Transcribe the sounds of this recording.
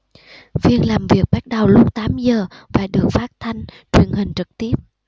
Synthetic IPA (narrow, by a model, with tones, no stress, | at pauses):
vi˧ənlaː˨˩mvi˨˩ək̚ɓa˦˥t̚ɗə˨˩wlʊ˦˥k͡p̚t̪aː˨˦mzəː˨˩vaː˨˩ɗɨ˨˩ək̚faː˦˥t̚t̪ʰa˧jŋ̟ | t͡ɕwi˨˩ənɦï˨˩ŋ̟t͡ɕɨ˨˩k̚t̪i˦˥əp̚